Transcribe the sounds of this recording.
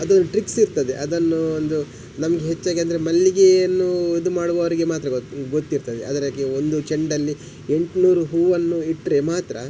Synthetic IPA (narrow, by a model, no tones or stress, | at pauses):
ɐd̪onːʈɾiksiɾt̪ɐd̪ḛʔɐd̪ɐnːuond̪u | nɐmɐɡeɦet͡ʃːaːɡiɐnd̪ɐɾemɐlːiɡeɐnːuid̪umaːɽbɐːʋɐɾiɡe̞maːt̪ɾɐɡot̪ːiɾt̪ɐd̪ḛɐd̪ɐɾɐɡeo̞nd̪ut͡ʃeɳɖɐlːi | e̞ɳʈnuːɾuɦuːʋɐnːuiʈːɾe̞maːt̪ɾɐ̰